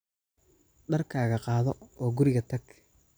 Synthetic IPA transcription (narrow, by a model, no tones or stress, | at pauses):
ɖɐrkʰaːɣɐqɑːðɔɔːɡʊɾɪɣɐt̪ʰɐɡ